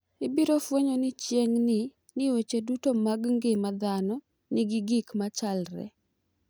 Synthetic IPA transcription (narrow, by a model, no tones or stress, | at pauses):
ɪbiɾofweɲonɪt͡ʃjeŋnɪ | nɪwet͡ʃedutomaɡŋɡɪmad̪anɔ | nɪɡɪɡikmat͡ʃalɾɛ̰